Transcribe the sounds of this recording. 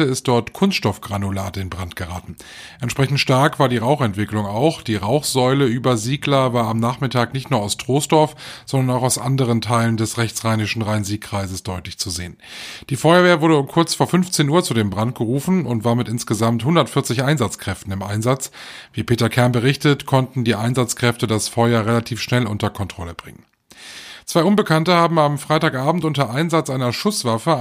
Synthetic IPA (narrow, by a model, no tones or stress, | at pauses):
əɪst̚d̥ɔɐtkʰʊnstʃtɔfɡ̥ʁanulaːtɪnbʁantɡ̥əʁa̰ːtn̩ | ʔɛntʃpʁ̥ɛçn̩tʃtaɐkv̥aːɐdiːʁaʊxɛntv̥ɪklʊŋaʊxd̥iːʁaʊxz̥ɔʏləʔyːbɐziːɡlɐvaːɐamnaːχmɪtʰaːknɪçtnuːɐaʊstʁ̥oːstd̥ɔɐfz̥ɔndɐnaʊxaʊsʔa̰ndəʁ̞əntʰaɪləndɛsʁɛçt͡sʁ̥aɪnɪʃn̩ʁaɪnziːkʁ̥aɪzəsd̥ɔʏtlɪçt͡suzeːənd̥iːfɔʏɐveːɐvʊɐɾəʊmkʰʊɐt͡sfoːɐfʏnft͡seːnʔuːɐt͡sudeːmbʁantɡ̥əʁuːfn̩ʊntv̥aːɐmɪtʔɪnsɡ̥əzamthʊndɐtfɪɐt͡sɪçʔaɪnzat͡skʁ̥ɛftn̩ɪmʔa̰ɪnzat͡sviːpʰeːtɐkʰɛɐmbəʁɪçtətkʰɔntn̩diːʔaɪnzat͡skʁ̥ɛftədasfɔʏɐʁelatʰiːfʃnɛlʔʊntɐkʰɔntʁ̥ɔləbʁɪ̰ŋən | t͡sv̥aɪʔʊnbəkʰantəhaːbm̩amfʁ̥aɪtaːkʔaːbm̩tʔʊntɐʔaɪnzat͡sʔaɪnɐʃʊsv̥afə